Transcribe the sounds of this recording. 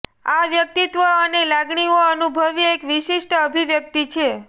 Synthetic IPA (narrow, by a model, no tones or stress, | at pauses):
aʋjək̚t̪it̪ʋəənelaɡɳioənubʱəʋjəekʋiʃiʃʈəbʱiʋjək̚t̪it͡ʃʰe